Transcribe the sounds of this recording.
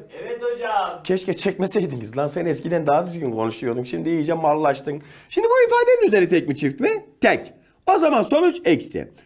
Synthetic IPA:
ɛt̪od͡ʒacʰɛʃcɛt͡ʃʰɛc̚mɛsɛjd̪imɟizlˠansɛnɛskʰid̪ænd̪aɦad̪yzɟynkʰo̞nuʃujo̞ɾd̪umʃimd̪iijid͡ʒɛmːaɾlˠlːˠaʃt̪ɯnʃimd̪ibuifaːd̪eɾinyzeɾʲit̪ʰɛc̚mit͡ʃʰift̪mɛt̪ʰɛc | o̞zamanso̞nut͡ʃɛcsɪ̰

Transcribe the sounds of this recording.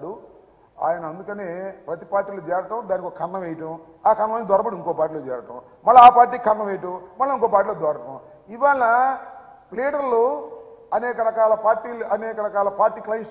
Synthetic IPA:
ɽu | a̰ːjɐnɐːnd̪ukɐneːpɾɐt̪ipaːɾʈːiːloːd͡ʒɛːɾɐʈɐ̃md̪aːnikokːɐkʰɐɾnɐʋɛjɐʈɐ̃m | aːkʰɐɾnɐɐnid̪ʱɔɾɐbɐɽuiŋko̞ːpaːʈiːloːd͡ʒɛ̰ːɾɐʈɐ̃m | mɐlːɐaːpaːɾʈ̬ːiːkkʰɐɾnɐʋɛjɐʈɐwmɐlːɐiŋkoːpaːɾʈiːloːd̪ɔːɾɐʈɐ̃m | iʋaːlɐ | pleːʈɐɾloɐnɛːkɐɾɐkaːlɐpaːɾʈːiːluɐnɛːkɐɾɐkaːlɐpaːɾʈːiːklɐjns

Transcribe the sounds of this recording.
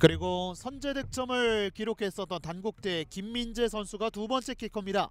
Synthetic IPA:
kɯɾiɡosʰʌnd͡ʑe̞dɯk̚t͡ɕ͈ʌmɯɭkiɾokʰe̞s͈ʌt͈ʌntanɡuk̚t͈e̞kimːind͡ʑe̞sʰʌnsʰuɡatubʌnt͡ɕ͈ʰe̞k͈ʰiɭk͈ʌmɲida

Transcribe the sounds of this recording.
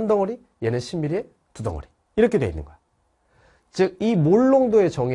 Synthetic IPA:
ndʌŋʌɾi | jenɯnɕʰimːiɾie̞ | tudʌ̰ŋʌ̰ɾi̥ | iɾʌkʰedwḛinːɯ̰nɡʌjo | t͡ɕɯɡ̚imoɭːoŋdoe̞t͡ɕʌŋ

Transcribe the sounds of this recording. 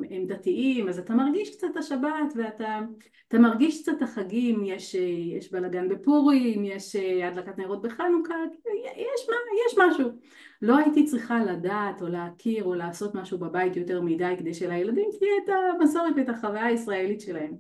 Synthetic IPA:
emd̪atiʔimazat̪amaʁɡiʃkt͡sataʃabatve̞ata | at̪amaʁɡiʃkt͡sataχaɡimjeʃejeʃbalaɡanbe̞puʁimjeʃeadlakatnaeʁot̚beχanukakilujjɛʃmajɛʃmaʃu | lo̞aitit͡sʁiχaladaːto̞leakʰiʁo̞laːso̞tmaʃubabajitjo̞te̞ʁmidajked̪ejʃelajeladimkiɛtamaso̞ʁetetaχavajaisʁaelitʃe̞lahe̞m

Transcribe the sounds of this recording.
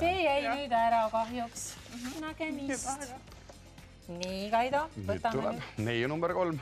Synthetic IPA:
seːjæjmɯjd̪ɑeɾɑkɑɦjuksnɑkemis | niːkɑjd̪ɑvɤt̪ːˑɑmulɛ̰nejnumbɛɾko̞lm

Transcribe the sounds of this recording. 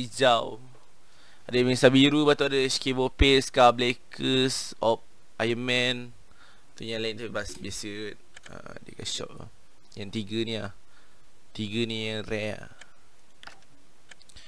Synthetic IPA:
id͡ʒaw | adəmɛ̃sabiɾubat̪uadəskebopeskablekʰəsɔp̚ | ʔajəmɛ̃n | t̪əɲãlaĩnt̪upibasbasət̪̚ | ə̰ | dikaʃɔ̰p̚ | jãŋt̪iɡənĩa | t̪iɡənĩjarɛa̰

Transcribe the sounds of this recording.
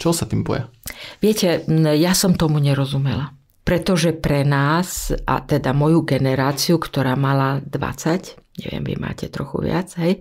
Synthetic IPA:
t͡ʃɔɦɔsat̪iːmbɔ̰jaʋɪɛcɛjasɔmt̪ɔmuɲɛɾɔzumɛla | pɾɛt̪ɔʒɛpɾɛnaːsʔa̰t̪ɛd̪amɔjuɡɛnɛɾaːt͡siukt̪ɔɾaːmalad̪ʋa̰t͡sacɲɛ̰ʋɪɛ̰mʋḭma̰ːcɛt̪ɾɔ̰xṵʋɪat͡sɦɛj

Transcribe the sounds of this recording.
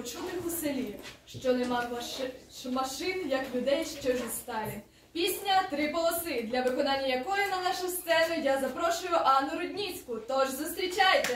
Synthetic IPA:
t͡ʃud̪ɪxʊselʲiʃt͡ʃɔnɛmɑ | mɐʃɪnjɐklʲʊd̪ɛjʃt͡ʃɔʒʲist̪ɑjɛ | pʲisʲnʲɐt̪ɾɪpɔlˠɔsɪd̪lʲɐʋɪkɔnɑnʲːɐjɐkɔjɪnɐnɑʃʊst̪ɛʒɪjazɐpɾɔʃʊjʊʔɑnːʊɾɔd̪ʲnʲit͡sʲkʊt̪ɔʒzʊst̪ɾʲit͡ʃajt̪ɛ

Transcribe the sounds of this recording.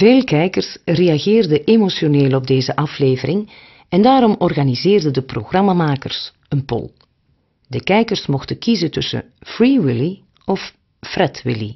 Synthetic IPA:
v̥eːlˠkɛjkərsreaɣɪːrdəʔemosjoneːlˠɔb̚deːzəʔɑfleːvərɪŋ | ɛndaːɾɔmɔrɣanizɪːrdədəproɣrɑmamaːkə̰rs | ənpɔ̰lˠ | dəkɛjkərsmɔxtəkizətɵsə̰ | friwɪli | ɔf | frɛtwɪ̰lḭ

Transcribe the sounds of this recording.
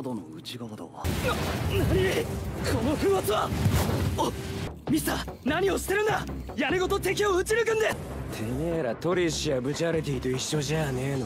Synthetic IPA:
d̪onoɯ̟t͡ɕiɡaβad̪a̰anaɲʲikʰonoɸɯ̟̃at͡sɨβa | omʲist̪anaɲ̟io̞ɕi̥t̪e̞ɾɯ̟̃nd̪a | jaɾeɡo̞t̪o̞t̪e̞k̬ʲioɯ̟t͡ɕiɾɯ̟kɯ̟̃nd̪e̞ | t̪ʰeneɾat̪o̞ɾʲiɕiabɯ̟t͡ɕiaɾet̪̬eit̪o̞iɕːo̞ʑajanen

